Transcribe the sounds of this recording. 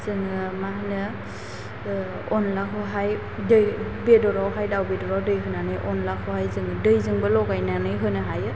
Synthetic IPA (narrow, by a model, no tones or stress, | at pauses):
zɯŋɯmahnɯ | ɔnlaɦɔɦaj | dɯjbedɔɾawɦajdawbedɔɾawdɯjɦɯnanɯjʔɔnlahʰɔhajzɯŋɯdɯjzɯŋbɯlɔɡajnanɯjɦɯnɯɦajɯ